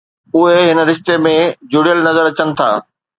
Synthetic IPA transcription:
ʊɦeɦɪnə̆ɾɪʃt̪emẽd͡ʑʊɽijəlnɐzəɾɐt͡ɕənɪ̆t̪ʰa̰ː

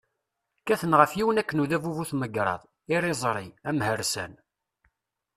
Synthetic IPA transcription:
kæθənʁəfjiwənækːənuðævuvuθməɡɾˤɑ̰ðˤ | ɪɾˤezˤɾˤiæmhəɾsæ̰n

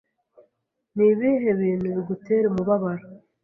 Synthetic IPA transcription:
niβiːɦe̞βiːn̤uβiɡute̞ːɾemuβaβaɾa

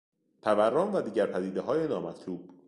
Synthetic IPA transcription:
pʰævæɾːɒːnvæd̪iːɟæɾpʰæd̪iːd̪eɦɒːjenɒːmæt̪ʰluːb̥̚

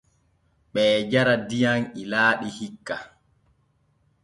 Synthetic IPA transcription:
ɓɛːd͡ʒaɾadijanilaːɗihikːa

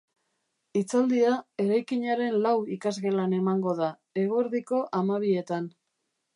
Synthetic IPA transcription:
it͡sald̪iae̞ɾajkiɲaɾe̞nlawikazɣe̞lane̞maŋɡo̞ð̞a | e̞ɣoeɾðiko̞ʔamaβ̞ie̞t̪an

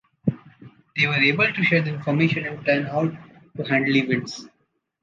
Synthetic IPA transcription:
d̪̥eːʋəɾeːbəlʈuʃeːɾd̪əɪ̃nfɔɾmeːʃə̃nɪ̃nʈə̃ːnaʊʈː | uhæ̃ɳɖliʋɪɖs

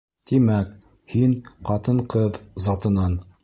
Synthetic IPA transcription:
t̪imæk | hinqɑt̪ɤɴqɤðzɑt̪ɤ̆nɑn

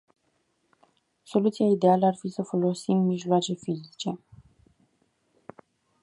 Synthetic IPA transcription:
so̞lut̪siaid̪e̞aləarfisəfo̞lo̞simːiʒloat͡ʃe̞fizit͡ʃe̞

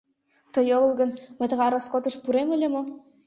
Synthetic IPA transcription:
t̪ɤ̆joβɤ̆lˠɡɤ̆nmə̆t̪ɤ̆ɣɑɾoskot̪ɤ̆ʃpuɾemɘ̆lʲĕmŏ

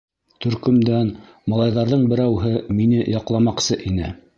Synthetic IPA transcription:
t̪ɵ̆ɾkɵ̆md̪æn | mɑlˠɑjðɑɾðɤɴbɘ̆ɾæwɦɘminɘjɑqlˠɑmɑqsɤʔinɘ̰

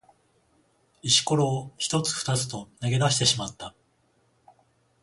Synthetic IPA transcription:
iɕi̥ko̞ɾo̞ːçi̥t̪o̞t͡sɨ̥fɯ̥t̪at͡sɨ̥t̪o̞neɡe̞d̪aɕi̥t̪e̞ɕimat̪ːa

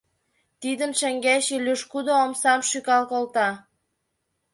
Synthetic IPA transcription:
t̪id̪ə̆nʃæŋɡæɕiløʃkud̪oːmsɑmʃykɑlkolt̪ɑ

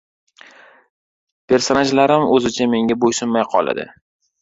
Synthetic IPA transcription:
pʰe̞ɾsonad͡ʒlaɾɪmɵzɪt͡ʃʰame̞ŋɡʲabojsʊnmajqʰɒ̰lˠa̰d̪ɪ̰

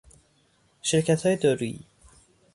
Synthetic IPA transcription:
ʃeɾcʰæt̪hɒːjed̪ɒɾuḭ

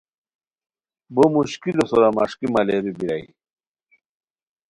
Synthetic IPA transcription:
bomuɕkilosoɾɐmɐʂkimɐleɾubiɾɐi

